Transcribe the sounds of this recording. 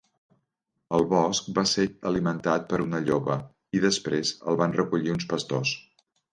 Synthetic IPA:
əlˠβɔsk̚baseəlimənt̪at̪̚pəɾunəʎoβə | iðəspɾezə̰lˠβanrəkuʎiunspəst̪os

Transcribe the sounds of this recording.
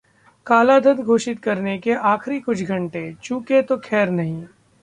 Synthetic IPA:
kaːlad̪ʱɐd̪ɡʱoːʃɪt̪kɐɾnekeaːxɾikʊt͡ʃʰɡʱɐ̃ɳʈet͡ʃũːket̪okʰɛːɾnɐɦĩː

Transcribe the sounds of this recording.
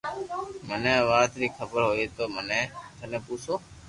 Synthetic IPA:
məneʋaːt̪ɾiːkʰəbəɾɦoːit̪oːmənet̪ənepuːt͡ʃʰoː

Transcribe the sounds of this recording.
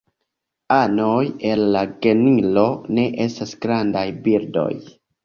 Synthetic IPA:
ano̞je̞lːaɡe̞nilo̞ne̞ʔe̞stasɡɾandajbiɾdo̞̰j

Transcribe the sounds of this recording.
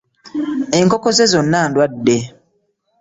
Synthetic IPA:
eŋkokozezonːandwadːe

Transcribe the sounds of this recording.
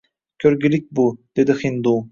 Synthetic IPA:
kʲʰøɾɡʲilik̚ʲbud̪̥ed̪ɪxind̪u

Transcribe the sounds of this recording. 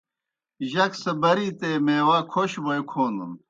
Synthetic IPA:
ʑɐksɐbɐɾiːt̪eːmeːwaːkʰoɕbɐjkʰoːnṵn

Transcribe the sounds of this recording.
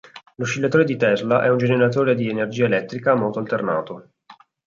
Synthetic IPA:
luʃːiʎːat̪oːɾed̪it̪ɛzlaʔɛund͡ʒeneɾat̪oːɾed̪ienerd͡ʒiːaelɛt̪ːɾikamɔlt̪oalt̪ernaːt̪o

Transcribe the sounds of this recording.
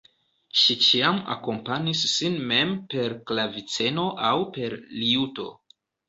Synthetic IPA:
ʃit͡ʃiama̰ko̞mpaɲisːinme̞mpe̞ɾklavit͡se̞no̞ʔawpe̞ɾliuto̞̰

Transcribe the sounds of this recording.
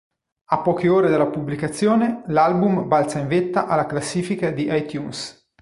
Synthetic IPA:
apːɔːkeoːɾed̪elːapublikat̪sːjoːnelalbumbalt̪saiɱvet̪ːaʔalːaklasːiːfikad̪iʔajt̪juns

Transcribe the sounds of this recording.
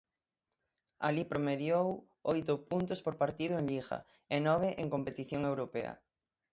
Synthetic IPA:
a̰lipɾomeðjow | ojt̪ʊpunt̪ospoɾpaɾt̪iðʊeŋliɣa̰ | enɔβ̞eʔeŋkompet̪iθjoŋewɾopeɐ̰

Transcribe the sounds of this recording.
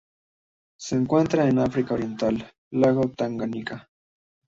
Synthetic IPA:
seːŋkwent̪ɾaenafɾikaoɾje̞nt̪alː | aɣot̪aŋɡanika

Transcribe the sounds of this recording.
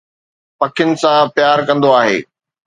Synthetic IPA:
pɐkʰɪjʊnɪ̆sãpjaːɾkɐ̃nd̪oaːɦḛː

